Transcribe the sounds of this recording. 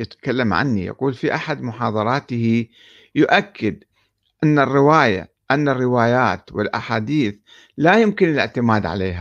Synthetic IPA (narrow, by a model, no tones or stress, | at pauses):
jɪt̪ḁkalːamʕa̰nːḭja̰quːlfiʔaħad̪mʊħɑːðˤɑɾˤɑːt̪ɪhi | jʊʔakʰːɪd̪ | ʔanːarːɪwaːja̰ | ʔanːarːɪwaːjaːt̪wɪlʔaħaːd̪iːθ | lajʊmkɪnɪlɪʕt̪ɪmaːd̪ʕa̰leːɦa